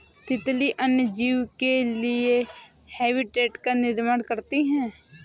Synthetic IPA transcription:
t̪ɪt̪liʔɐnjəd͡ʒiːwkelie | hɛːbɪʈeːʈkanɪɾmaːɽkɐɾt̪iɦɛ̃ː

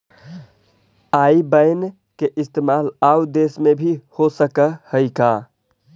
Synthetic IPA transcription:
aibəɪn | keʔist̪emalaud̪esmebʱihosəkəhəɪka

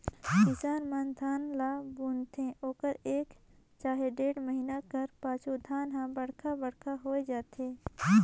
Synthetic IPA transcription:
kɪsaːnmãnd̪ʰʱaːnlaːbunt̪ʰẽʔoːkəɾeːk | t͡ʃaːɦeɖeːɽməɦinakɐɾpaːt͡ʃud̪ʱaːnɦãbɐɽ̤kʰabɐɽkʰaɦoːed͡ʒaːt̪eː

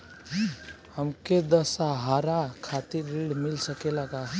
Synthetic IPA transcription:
həmked̪əsaɦaɾakʰat̪iɾːeɖmɪlsəkelaɡa

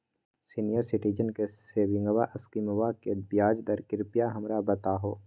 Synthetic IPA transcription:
siːnijəɾsɪʈiːd͡ʒənkeseːʋɪ̃ŋɡəwaʔɐskiməwakebjaːd͡ʒd̪ɐɾkɪɾpijaɦɐmɾabɐt̪aɦoː

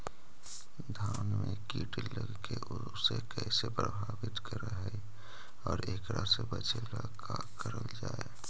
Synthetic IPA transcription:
d̪ʱanmẽkiːʈləɡkeʔʊ | sekɛsepɾəbʱaːbɪt̪kəɾəɦɛ | ɔːɾeːkɾasebət͡ʃʰelakʰa | kəɾəld͡ʒaːe

